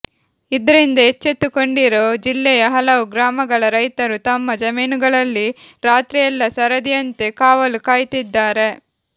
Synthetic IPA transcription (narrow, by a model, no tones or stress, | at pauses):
id̪ɐɾind̪ɐet͡ʃːet̪ːuko̞ɳɖiɾoːd͡ʒilːɛjɐɦɐlɐʋuɡɾaːmɐɡɐɭɐɾɐjt̪ɐɾut̪ɐmːɐd͡ʒɐmiːnuɡɐɭɐlːiɾaːt̪ɾijɐlːɐsɐɾɐd̪ijɐnt̪e̞kaːʋɐlukaːjt̪id̪ːaːɾe̞